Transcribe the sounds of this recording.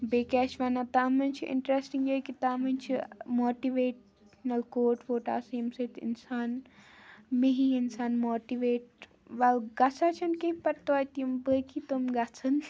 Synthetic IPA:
beːkɛːʃʋanat̪aːmɐnt͡ʃʰiʔɪ̰ɳʈɾesʈiŋɡjekit̪aːmɐnt͡ʃʰimoːʈiʋeːʈ | nɐlkoːʈʋoːʈa̰ːsijmsɐt̪ḭnsaːn | meɦiinsaːnmoːʈiʋeːʈ | ʋalɡɐsʰat͡ʃʰɐnkẽĩpɐɾt̪aːt̪jumbəkʰit̪omɡɐt͡sʰɐn

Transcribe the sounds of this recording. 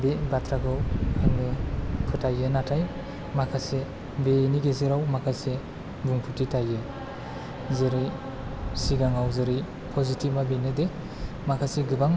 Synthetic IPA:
debatʰɾaɡɯwaŋnɯpʰɯtʰajɯnatʰaj | makʰase | beniɡezeɾawmakʰase | buŋpʰɯtitʰajɯ | zɯɾi | siɡaŋawzɯɾi | pʰɔzitʰip̚mabenɯde | makʰaseɡɯbaŋ

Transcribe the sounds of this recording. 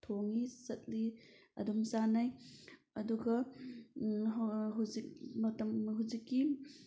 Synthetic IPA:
tʰoŋisɐt̚liɐ̰dumsanaj | ɐduɡɐ | ɦawzik̚mɐtɐmɦuwzikːi

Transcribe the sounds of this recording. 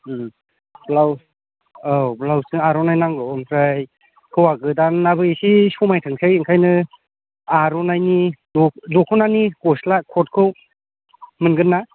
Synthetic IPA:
blaw | ablawsɯŋaɾɔnajnaŋɡɯɔmpʰɾaj | kʰɯwaɡɯdanːabɯisisumajtʰɯŋsʰɯjiŋkʰajnɯ | aɾɔnajnidɔdɔkʰɯnanikɔslakʰɔt̚kʰɯw | mɯnɡɯnːa

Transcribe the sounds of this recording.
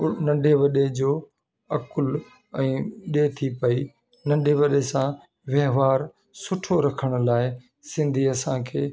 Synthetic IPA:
nɐ̃ɳɖʱeʋɐɗed͡ʑoː | ɐkʊl | ɛ̃ːɗet̪ʰipɐi | nɐ̃ɳɖʱeʋɐɗesã | ʋjɐɦʋaːɾ | sʊʈʰoɾɐkʰəɽ̃laːɪ | sɪ̃nd̪ʱiɐsãːkʰeː

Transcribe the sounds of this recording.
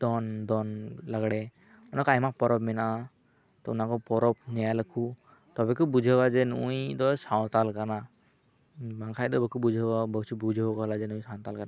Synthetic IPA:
d̪ɔnd̪ɔnlaɡɽɛ | unakɔajmak̚pɔɾɔpmɛnaʔa | t̪ɔunakɔpɔɾɔpnajaləkʰu | t̪ɔbɛkɔbud͡ʒʱəwad͡ʒɛnujd̪ɔsãw̃t̪alkaɾna | bãŋkʰajd̪ɔbəkʰubud͡ʒʱəbabət͡ʃʰibud͡ʒʱkɔɦlad͡ʒɛnũj̃sãw̃t̪alkaɾna

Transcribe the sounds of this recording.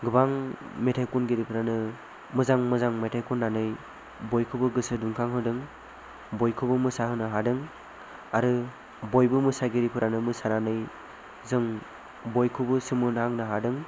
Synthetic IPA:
ɡɯbaŋmetʰajkunɡiɾipʰɯɾanɯ | mɯzaŋmɯzaŋmetʰajkunːanɯj | bojkʰubɯɡɯsɯduŋkʰaŋɦɯdɯŋ | bɔjkʰubɯmɯsaɦɯnɯɦadɯŋ | aɾɯ | bojbɯmɯsaɡiɾipʰɯɾanɯmɯsananɯj | zɯŋ | bojkʰubɯsɯmɯnaŋnɯɦadɯŋ

